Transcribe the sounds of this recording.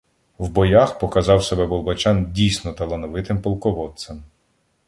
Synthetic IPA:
wbɔjaxpɔkɐzɑwsɛbɛbɔlˠbɐt͡ʃɑndʲijsʲnɔt̪ɐlˠɐnɔʋɪt̪ɪmpɔlˠkɔʋɔt̪sɐm

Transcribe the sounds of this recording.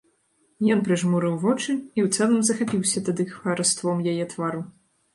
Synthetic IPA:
jɔnpɾɨʐmuɾɨwvɔt͡ʂɨiwt̪sɛlˠɐmzɐxapʲiwsʲɐt̪ad̪ɨxvɐɾɐst̪vɔmjajɛt̪vaɾu

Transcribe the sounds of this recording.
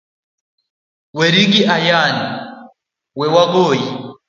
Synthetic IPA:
wɛɾiɡiʔajani | wɛwaɡoːji

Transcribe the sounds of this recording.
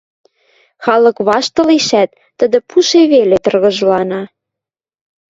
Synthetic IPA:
xɑlɤ̆kβɑʃt̪ɤ̆liʃæt̪ːəd̪ə̆puʃeβelet̪ɤ̆rɣɤ̆ʒlɑnɑ

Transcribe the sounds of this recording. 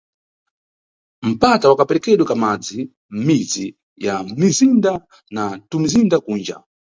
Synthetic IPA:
m̩patawakapɛɾɛkɛɗwɛkamad͡zi | m̩mid͡zi | jam̩mizinda | natumizindakuːnd͡ʒa̰

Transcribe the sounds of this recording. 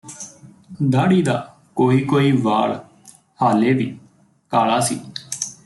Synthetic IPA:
d̪aːɽiːd̪aː | koːiːkoːiːʋaːɭ | haːleːd̪iː | kaːlaːsḭː

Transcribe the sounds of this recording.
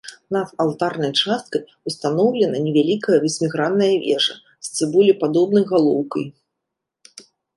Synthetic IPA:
nɐd̪alˠt̪arnɐjt͡ʂast̪̚kɐj | ust̪anɔwlʲɛnɐnʲɛvʲalʲikɐjɐvʲɨsʲmʲiɣɾanːɐjɐvʲɛ̰ʐɐ̰ | sʲt̪sɨbulʲipad̪ɔbnɐjɣalˠɔwkɐj

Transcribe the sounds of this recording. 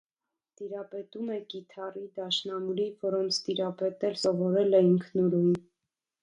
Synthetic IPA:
t̪iɾɑpɛt̪umɛkit̪ʰɑrid̪ɑʃnɑmuɾivɔɾɔnt͡sʰt̪iɾɑpɛt̪ɛlsɔvɔɾɛlɛiŋkʰnuɾujn

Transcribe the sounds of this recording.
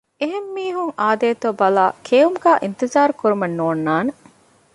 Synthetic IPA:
eɦemːiːɦuŋaːd̪eːt̪oːbɐlaːkʰeːumɡæːʔint̪izaːɾkuɾumɐnːoːnːaːne

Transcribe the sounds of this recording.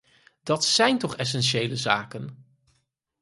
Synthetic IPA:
d̥ɑtsɛjntɔχɛs̬ɛnʃejləza̰ːkən

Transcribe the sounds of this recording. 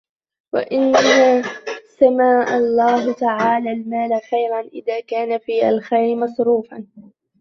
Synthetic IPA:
wa̰ʔɪnːasamaːʔalˤːaːɦt̪aʕaːlaːlmaːlaxajɾanʔɪðaːkaːnafiːa̰lxajɾɪmɑsˤɾuːfan

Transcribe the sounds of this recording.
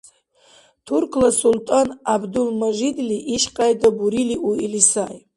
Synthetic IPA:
tʰurkʰlasultʼanabdulmaʒid̪liʔiʃqʼajdabuɾiliʔuilisaj

